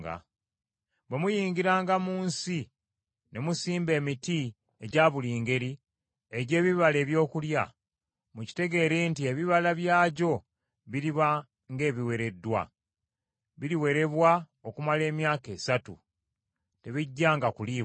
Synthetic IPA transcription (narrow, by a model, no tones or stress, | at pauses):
ɡa̰ | βwe̞mujiːŋɡiɾaːŋɡamuːnsi | ne̞musiːmbe̞ːmiti | eɟaːβuliːŋɡe̞ɾi | eɟe̞ːβiβale̞ːβjo̞ːkulja̰ | muci̥te̞ɡe̞ːɾentie̞βiβalaβjaːɟo̞ | βiɾiβa | ŋɡe̞ːβiwe̞ɾe̞dːwa̰ | βiɾiwe̞ɾe̞βwa | okumale̞ːmjaːke̞ːsatṵ | te̞βiɟːaːŋɡakuliː